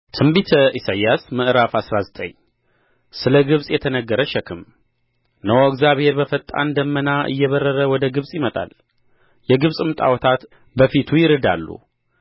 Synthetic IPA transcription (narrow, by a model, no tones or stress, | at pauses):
t̪ʰɨmbit̪ʰəʔisajasmɨʔɾafasɾazət̪ʼə̰ɲ | sɨləɡɨβsʼjɛt̪ʰənəɡːəɾəʃɛkʰɨm | nəwoɡzaβhe̞ɾbəfət̪ʼːa̰nd̪əmːənaʔɨ̰jːɛβərːəɾəwɔd̪əɡɨβsʼjɪmət̪ʼa̰l | jɛɡɨβsʼɨmt̪ʼa̰wɔt̪ʰat̪ | bəfit̪ʰujɪɾɨd̪a̰lːṵ